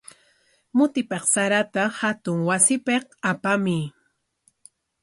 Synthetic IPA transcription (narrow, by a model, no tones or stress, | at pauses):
mʊt̪ɪpeqsaɾat̪ahat̪ʊŋwasɪpeqapamɪ